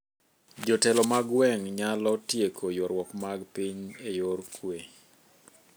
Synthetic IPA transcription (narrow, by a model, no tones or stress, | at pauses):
d͡ʒɔtɛlɔmaɡwɛŋɲalɔtjekʰojɔɾwɔkmaɡpiɲejorkwe